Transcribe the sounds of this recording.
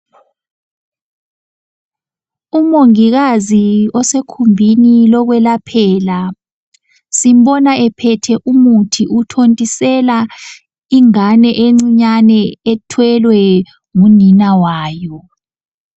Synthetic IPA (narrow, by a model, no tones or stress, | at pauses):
umoŋiɣaziɔsekʰumbʱinilɔɣwɛlapʰɛːla | sim̩ɓɔnaɛpʰɛtʰɛʔumutʰiʔutʰontʼisɛla | iŋanɛʔeŋ͡ǀiɲanɛɛtʰwɛlwɛ | ŋuninawaːjɔ